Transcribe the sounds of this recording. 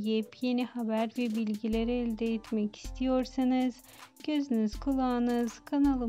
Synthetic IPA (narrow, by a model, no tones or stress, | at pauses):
jipje̞nihabæɾvɛbilʲɟilʲeɾɛːlʲd̪ɛɛt̪ʰmɛci̥st̪ʰijo̞ɾsɯnɯz̥ | ɟ̥ø̞zynyzkʰulˠaːnɯz̥kʰanalˠɯ